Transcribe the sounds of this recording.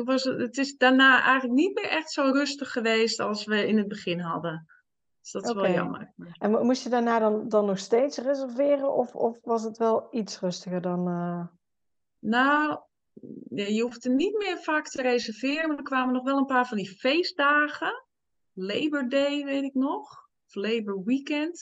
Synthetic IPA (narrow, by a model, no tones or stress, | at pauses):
ʋɔsətɪsdanaːʔɛ̰jŋələk̚nit̚mɪːɹʔɛxtsoːrøstəxːəʋeːstɑlˠsʋəɪnət̚bəχɪnɦɑ̰də | d̥sd̥ɔtɪsʋɔlˠjɑ̰mə̰rnmusjədaːɹnaːdɔndɔnːɔxsteːtsrezərvɪːɾənɔfɔfʋɑsətʋɛlˠit͡srøstəɣəɹdɔnə | now | jajəɦuftənit̚mɪːɹfaːktərezəɹvɪːrənmaːdəkʋaːmənɔχʋɛlˠənpaːɹvɑndifejsdaːɣə | lejbəɹdejʋejtɪknɔχ | ɔflejbəɹwikɛnt